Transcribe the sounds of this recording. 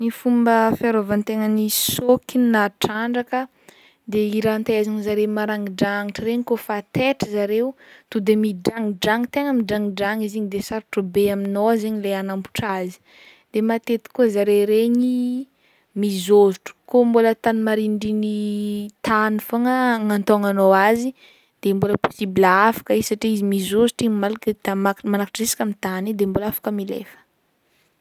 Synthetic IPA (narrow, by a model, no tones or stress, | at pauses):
nifumbəfiaɾovant̪eŋənisokinnaʈ͡ʂaɳɖ͡ʐakə | d̪eiɾant̪aazaɲzaɾemaɾaŋiɖ͡ʐaŋiʈ͡ʂəɾeɲikofat̪eʈ͡ʂəzaɾeut̪ud̪emiɖ͡ʐaŋiɖ͡ʐaŋit̪eŋəmiɖ͡ʐaŋiɖ͡ʐaŋiziɲid̪esaɾuʈ͡ʂəbeaminozeɲileanampu̥ʈ͡ʂazi̥ | d̪̥emat̪et̪i̥kuzaɾeɾeɲi | mizoziʈ͡ʂə̥kombolət̪animaɾiɳɖ͡ʐinit̪anifaŋəŋant̪oŋanowazi | d̪̥emboləpo̥sibilaafḁkəisaʈ͡ʂiizimizoziʈ͡ʂiɲmalakət̪amamanakḁʈ͡ʂesi̥kʲamit̪anid̪embolafḁkəmilḛfə̥